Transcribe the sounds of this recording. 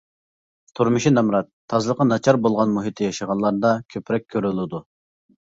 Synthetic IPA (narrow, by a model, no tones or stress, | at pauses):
t̪ʰuɾmɨʃinɑmɾɑt̪ʰːɑzɨlˠəqʰɑnɑt͡ʃʰɑɾbolˠʁɑnmuɦit̪ʰɪjɑʃəʁɑnlˠɑɾd̪ɑkʲʰøpɾɛk̚ʲʰːøɾylɪd̪u